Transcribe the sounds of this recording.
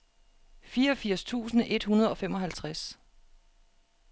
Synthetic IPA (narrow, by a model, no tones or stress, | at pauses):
fiːɐɒ̽fiɐ̰st͡sʰṵːsn̩ʔe̝d̥hunɐð̞ˠɒ̽femɒ̽ɦælt͡sʰʁas